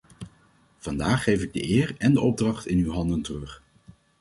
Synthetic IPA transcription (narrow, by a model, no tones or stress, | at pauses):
v̥ɑndaːχːejvɪɡ̚də̰ʔɪːɹɛndəɔb̚drɑχtɪnywɦɑndəntərɵχ